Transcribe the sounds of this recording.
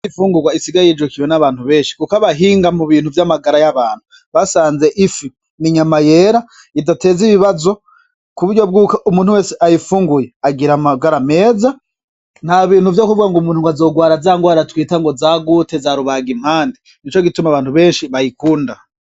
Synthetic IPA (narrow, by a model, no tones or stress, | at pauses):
ifuːŋɡuɡwaisiɡajid͡ʒukiwenaβaːnhuβe̞ːnʃi̥kukaβaɦiːŋɡamuβiːnhuvjamaɡaɾajaβaːn̥hu | βasaːnze̞ʔifi | niɲamaje̞ɾa | idate̞ziβiβazo̞ | kuβuɾɟo̞b̚ɡukaʔumuːn̥huwe̞ːseʔajifuːŋɡujeaɡiɾamaɡaɾame̞ːza | n̥haβiːn̥huvjokuvuɡaŋɡomuːnhuŋɡazo̞ːɡwaːɾazaːŋɡwaːɾatwiːtaŋɡo̞zaːɡutezaɾuβaːɡim̥haːndi | nit͡ʃo̞ɡitumaβaːn̥huβe̞ːnʃiβajikuːnda